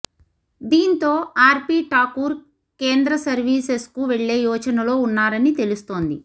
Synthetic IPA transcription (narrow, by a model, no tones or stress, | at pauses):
d̪iːnt̪o̞ːaːɾpiːʈaːkuːɾ | ke̞ːnd̪ɾɐsɐɾʋiːseskuʋeɭːe̞ːjɔːt͡ʃɐnɐlo̞ːunːaːɾɐnit̪e̞lust̪o̞ːnd̪i